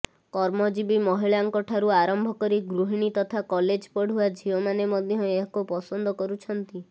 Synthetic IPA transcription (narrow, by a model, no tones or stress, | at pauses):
kɔɾmɔd͡ʒibimɔɦiɭaŋkɔʈʰaɾuaɾɔmbʱɔkɔɾiɡɾuɦiɽ̃it̪ɔt̪ʰakɔled͡ʒpɔɽ̤uad͡ʒʱiɔmanemɔd̪ʱjɔeɦɔkupɔsɔnd̪ɔkɔɾut͡ʃʰɔnt̪i